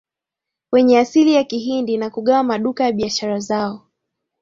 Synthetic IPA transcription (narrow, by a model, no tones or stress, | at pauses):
wɛɲɛasilijakiɦindinakuɠawamaɗukajaɓiaʃaɾazaɔ